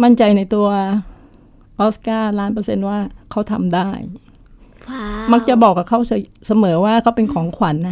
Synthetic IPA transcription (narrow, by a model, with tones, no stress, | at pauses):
ma˥˩nt͡ɕa˧jna˧jt̪u˧ɐ | ʔoː˦˥skaː˥˩laː˦˥npɤː˧se˧nwaː˥˩kʰa˦˥˩wt̪ʰa̰˧mdaː˥˩j | ma˦˥k̚t͡ɕa˨˩bɔː˨˩k̚ːa˨˩kʰa˥˩wsa˧˩sa˧mɤː˩˦waː˥˩kʰa˦˥˩wpe˧nkʰɔː˩˦ŋkʰwa˩˦nːa˦˥